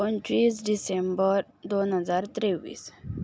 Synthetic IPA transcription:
ont͡ʃisɖisembəɾ | d̪onɦəd͡zaɾt̪ɾeʋḭːs

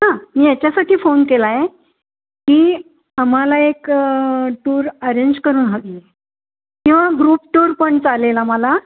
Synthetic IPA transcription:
ɦãmiːjat͡ɕjasaʈʰiːfonkelaje | kiː | am̤alaek | ʈuːɾəɾeɲd͡ʑkəɾuːnɦəɡie | kĩw̃ʋaɡɾuːpʈuːɾpəɳt͡salelaməla

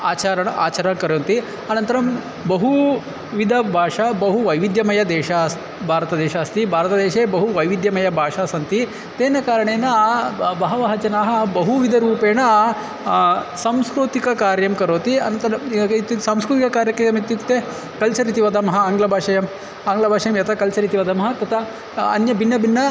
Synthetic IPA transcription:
aːt͡ʃaːɾɐɳa̰ːt͡ʃɐɾɐmkɐɾoːnt̪i | ɐnɐnt̪ɐɾɐm | bɐɦu | ʋid̪ʱɐbʱaːʂɐbɐɦuʋɐjʋid̪jɐmɐjɐd̪eːʃas | bʱaːɾɐt̪ɐd̪eːʃaːst̪ibʱaːɾɐt̪ɐd̪eːʃeːbɐɦuʋɐjʋid̪jɐmɐjɐbʱaːʂaːsɐnt̪i | t̪eːnɐkaːɾɐɳeːnɐbɐɦɐʋɐɦɐt͡ʃɐnaːɦɐbɐɦuʋid̪ʱɐɾuːpeːnɐ | sɐmskɾut̪ikɐkaːɾjɐmkɐɾoːt̪iɐ̰nɐnt̪ɐɾɐit̪usamskɾut̪ikɐkaːɾjɐkɾejɐmit̪jukt̪eː | kɐlt͡ʃɐɾit̪iʋɐd̪ɐmɐɦɐaːŋɡlɐbʱaːʂɐjɐm | aːŋɡlɐbʱaːʂɐjɐmjɐt̪ʰɐkɐlt͡ʃɐɾit̪iʋɐd̪ɐmɦɐt̪ɐt̪ʰɐ | ɐ̰njɐbinːɐbinːɐ

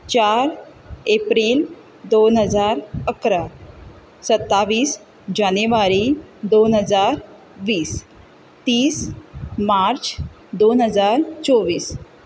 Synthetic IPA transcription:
t͡ɕaɾ | epɾiːl | d̪onɦəd͡zaɾəkɾa | sət̪ːaʋiːs | d͡ʑaneʋaɾid̪onɦəd͡zaɾ | ʋiːs | t̪iːsmaɾt͡s | d̪onɦəd͡zaɾt͡sɔʋiːs

